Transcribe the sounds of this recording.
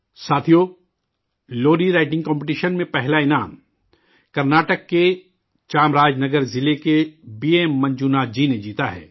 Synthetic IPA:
saːt̪ʰijo | loːɾiɾaːɪʈɪ̃ŋɡkɔ̃ːmpɪʈiːʃənmẽpɛɦlaɪnaːm | kɐɾnaːʈəkːe | t͡ʃaːmɾaːd͡ʒnɐɡəɾzɪlekebiːeːmːɐ̃ɲd͡ʒunaːd͡ʒined͡ʒiːt̪aɦɛ̰ː

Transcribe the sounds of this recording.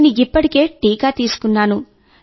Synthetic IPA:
niipːɐʈike̞ːʈːiːkaːt̪iːsu̥kunːaːnu

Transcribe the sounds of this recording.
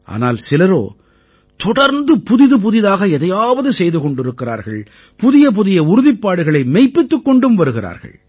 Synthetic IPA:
ʔa̰ːna̰ːlsɪlɐɾo̰ː | t̪ɔɽɐɾnd̪ɯpʊðɪðɯp̬ʊðɪðaːɣɐɛðɐjaːʋɐðɯsɛjðɯkɔɳɖɪɾɯkːɪra̰ːɾɣɐ̰ɭ | pʊðɪjɐp̬ʊðɪjɐʊɾʊðɪpːaːɽɯɣɐɭɐɪmɛɪpːɪt̪ːɯkːɔɳɖɯmʋɐɾɯɣɪra̰ːɾɣɐ̰ɭ

